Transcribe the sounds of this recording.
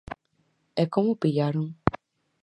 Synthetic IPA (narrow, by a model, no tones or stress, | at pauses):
ɛkõmũpijaɾũ